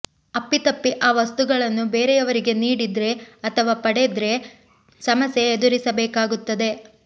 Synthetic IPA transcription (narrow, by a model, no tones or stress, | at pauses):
ɐpːit̪ɐpːiʔaːʋɐst̪uɡɐɭɐnːubeːɾejɐʋɐɾiɡe̞niːɽid̪ɾe̞ɐt̪ʰɐʋaːpɐɽed̪ɾe̞ | sɐmɐsjeːd̪uɾisɐbɛːkaːɡut̪ːɐd̪e̞